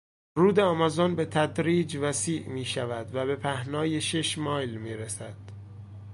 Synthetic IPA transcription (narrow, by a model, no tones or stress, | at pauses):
ruːd̪e̞ɒmɒzonbe̞t̪ʰæd̪ɾiːd͡ʒvæsiːʔmiːʃævæd̪væbe̞pʰæhnɒːjeʃeʃmɒːjlmiːɾesæd̪̥